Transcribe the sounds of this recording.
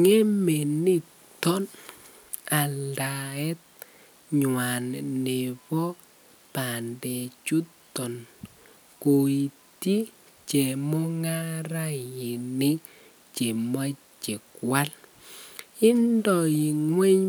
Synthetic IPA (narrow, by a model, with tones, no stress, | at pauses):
ŋɛ˦me˨ni˦ | tɔ˦n | a˨nda˨ɛ˦t̚ | ɲwa˨nne˨pɔ˦ | pa˨ndɛ˨t͡ʃu˦tːɔ˨n | ko˨i˨ | ti˦ | t͡ʃe˨mɔ˦ŋa˦ɾa˦i˨ni˦ | t͡ʃe˨ma˦ | t͡ʃi˨kwa˦l | i˦ndɔ˨ji˨ŋwɛ˦ɲ